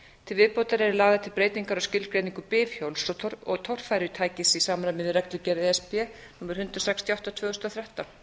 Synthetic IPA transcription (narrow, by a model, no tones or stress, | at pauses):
t̪ʰɪlvɪðpoːwt̪aɾɛɾɪlaːɣðat̪ʰɪlpɾeːjt̪iŋkaɾawscɪlkɾejniŋkʏpɪːvçowlsɔɔt̪ʰɔr̥fajɾʏt̪ʰaːjcɪsisaːmaɾamɪðɪrɛkt̪lʏcɛɾeɛspɛnuːmaɾ̥hʏnt̪ɾɔsɛkst̪ʰiɔwht̪at̪ʰvœːɣʏst̪aθɾjaht̪an